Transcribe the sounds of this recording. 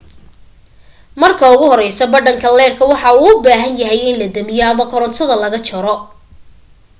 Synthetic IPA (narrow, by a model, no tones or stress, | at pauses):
mɐrkʰɐʊɣʊhɔɾɛjsɐbɐɖɐŋkʰɐlɛːrkʰɐwɑħɑuːʊbaːɦɐnjɐɦɛjɪnlɐd̪ɐmɪjɔɐmɐkʰɔɾɔnt̪ʰɐðɐlɐɣɐt͡ʃʰɐɾɔ